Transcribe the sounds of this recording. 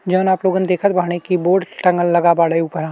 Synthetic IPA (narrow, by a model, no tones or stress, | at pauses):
d͡ʒəːnaːploːɡənd̪eːkʰət̪̚bʱaːɦɽ̃ekiboːɖʈɐ̃ŋɡəlːɐɡabaːɽeuːpəɾãː